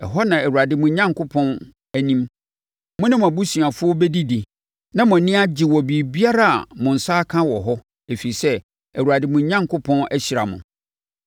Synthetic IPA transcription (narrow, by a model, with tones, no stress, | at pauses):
ɛ˨ɦɔ˦nã˨æ˨wu˨ɾa˨dɪ˨mʊ̃˨ɲã˦ŋkʰʊ˦pʰɔ̃˦n | æ˦nĩ˦m | mʊ̃˦nɪ̃˦m̃˨æ˨bu˦si˨a˨fʊ˦ɔ˦bɛ˦di˦di˨ | nã˦mʊ̃˨nɪ̃˦a˦d͡ʑɪ˨wɔ˨bi˨bi˦a˦ɾa˦˨a̰˨mʊ̃˨n̩˨sa˦kʰã˦wɔ˨ɦɔ˦ | e˨fi˨i˨sɛ˦ | æ˨wu˨ɾa˨dɪ˨mʊ̃˨ɲã˦ŋkʰʊ˦pʰɔ̃˦næ˦ɕi˨ɾa˨mʊ̰̃˨